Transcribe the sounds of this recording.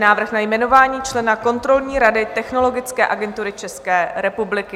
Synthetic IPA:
naːvr̩xnajmɛno̞vaːɲiːt͡ʃlɛnako̞nt̪ɾo̞lɲiːɾadɪt̪ɛxno̞lo̞ɡɪt͡skɛ̰ːʔaɡɛnt̪uɾɪt͡ʃɛskɛːɾɛpublɪkɪ

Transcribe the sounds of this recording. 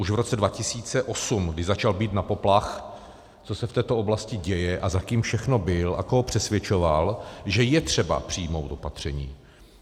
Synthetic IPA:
uʃvɾo̞t͡sɛdvacɪsiːt͡sɛʔo̞sumɡdɪʒzat͡ʃalbiːt̪napo̞plax | t͡so̞sɛft̪ɛːt̪oo̞blascɪɟɛjɛʔazakiːmfʃɛxno̞bɪlʔa̰koɦopr̝̥ɛsvʲjɛt͡ʃo̞valʒɛjɛt̪r̝̥ɛba̰pr̝̥iːmo̞wt̪o̞pat̪r̝̥ɛɲḭː

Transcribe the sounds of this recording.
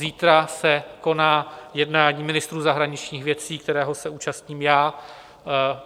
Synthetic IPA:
ziːt̪ɾasɛko̞naːjɛdnaːɲiːmɪnɪst̪ɾuːzaɦɾaɲɪt͡ʃɲiːxvjɛt͡siːk̚t̪ɛɾɛːɦo̞sɛuːt͡ʃast̪ɲiːmjaː

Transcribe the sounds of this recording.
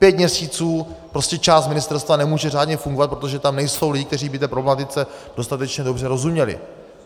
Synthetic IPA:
pjɛt̪̚mɲɛsiːt͡suːpɾo̞scɛt͡ʃaːst̪mɪnɪst̪ɛɾst̪vanɛmuːʒɛr̝aːdɲɛfuŋɡovat̪̚pɾo̞t̪̬o̞ʒɛt̪amnɛjso̞wliɟɪkt̪ɛriːbɪt̪ɛːpɾblɛmat̪ɪt͡sɛdo̞st̪at̪ɛt͡ʃɲɛdo̞br̝ɛɾo̞zumɲɛlɪ̰

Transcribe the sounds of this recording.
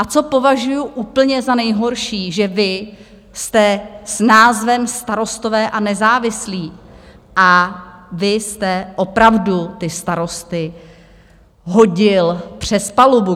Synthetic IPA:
ʔat͡so̞po̞vaʒujuʔuːpl̩ɲɛzanɛjɦo̞ɾʃiːʒɛvɪ | st̪ɛsnaːzvɛmst̪aɾo̞st̪o̞vɛːʔanɛzaːvɪsliː | ʔavɪst̪ɛʔo̞pɾavdut̪ɪst̪aɾo̞st̪ɪ | ɦoɟɪlpr̝̥ɛspalubu

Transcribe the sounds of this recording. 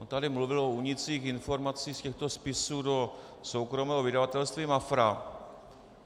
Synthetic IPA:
ont̪adɪmluvɪlo̞uɲɪt͡siːxɪnfo̞ɾmat͡siːxscɛxt̪o̞spɪsuːdo̞ | so̞wkɾo̞mɛːɦovɪdavat̪ɛlst̪vimafɾa

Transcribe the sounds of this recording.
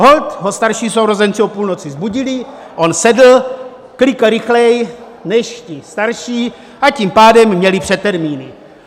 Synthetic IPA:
ɦolt̪ɦost̪aɾʃiːsowɾozɛnt͡siopuːlno̞t͡sɪzbuɟɪlɪ | ʔo̞nsɛdl̩ | klɪkaɾɪxlɛj | nɛʃcɪst̪aɾʃiː | ʔacimpaːdɛmːɲɛlɪpr̝̥ɛt̪ːɛɾmiːnɪ

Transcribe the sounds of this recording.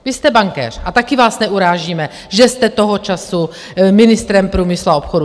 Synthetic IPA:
vɪst̪ɛbaŋkɛ̰ːr̥ʔat̪akɪvaːsnɛʔuɾaːʒiːmɛ | ʒɛst̪ɛt̪oɦot͡ʃasu | mɪnɪst̪ɾɛmpɾuːmɪslao̞pxodu

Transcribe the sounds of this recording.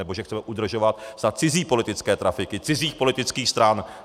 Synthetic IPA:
ɛboʒɛxkt͡sɛmɛʔud̪r̩ʒo̞vat̪zat͡sɪziːpo̞lɪt̪ɪt͡skɛːt̪ɾafɪkɪt͡sɪziːxpo̞lɪt̪ɪt͡skiːxst̪ɾan

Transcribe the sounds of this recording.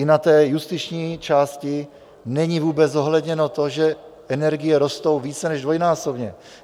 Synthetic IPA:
ɪnat̪ɛːjust̪ɪt͡ʃɲiːt͡ʃaːscɪ | nɛɲivuːbɛzo̞ɦlɛdɲɛno̞t̪o̞ʒɛʔɛnɛɾɡɪjɛɾo̞st̪o̞wviːt͡sɛnɛʒdvo̞jnaːso̞bɲɛ

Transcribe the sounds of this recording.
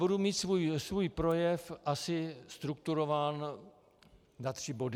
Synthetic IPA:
budumiːt̪svuːjsvuːjpɾo̞jɛfʔasɪst̪ɾuk̚t̪uɾovaːn | zat̪r̝̥ɪbo̞dɪ

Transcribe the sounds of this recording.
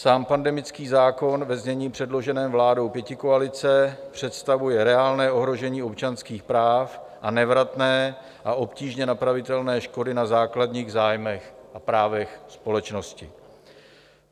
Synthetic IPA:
saːmpandɛmɪt͡skiːzaːko̞nvɛzɲɛɲiːpr̝̥ɛdlo̞ʒɛnɛːmvlaːdo̞wpjɛcɪko̞alɪt͡sɛpr̝̥ɛt̪st̪avujɛɾɛaːlnɛːʔo̞ɦɾo̞ʒɛɲiːo̞pt͡ʃanskiːxpɾaːfʔanɛvɾat̪nɛː | ʔaʔo̞pciːʒɲɛnapɾavɪt̪ɛlnɛːʃko̞dɪnazaːkladɲiːɣzaːjmɛxʔapɾaːvɛxspo̞lɛt͡ʃno̞scɪ

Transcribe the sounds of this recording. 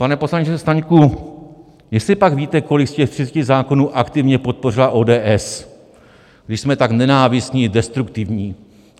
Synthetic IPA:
panɛpo̞slaɲt͡ʃɛst̪aɲku | jɛst̪lɪpaɡviːt̪ɛko̞lɪkscɛft̪r̥ɪt͡scɪzaːkonuːʔakt̪ɪvɲɛpo̞t̪̚po̞r̝ɪlaʔo̞ːdɛːʔɛs | ɡdɪʃsmɛt̪aknɛnaːvɪst̪ɲidɛst̪ɾukt̪ɪvɲiː

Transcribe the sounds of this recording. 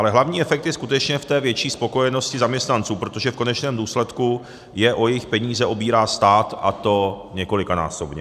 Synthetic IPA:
ʔalɛɦlavɲiːɛfɛk̚t̪jɛskut̪ɛt͡ʃɲɛft̪ɛːvjɛt͡ʃiːspo̞ko̞jɛno̞scɪzamɲɛst̪nant͡suːpɾo̞t̪o̞ʒɛfko̞nɛt͡ʃnɛːmduːslɛt̪ku | jɛʔo̞jɛjɪxpɛɲiːzɛʔo̞biːɾaːst̪aːt̪a̰t̪o̞ | ɲɛko̞lɪkana̰ːso̞bɲɛ

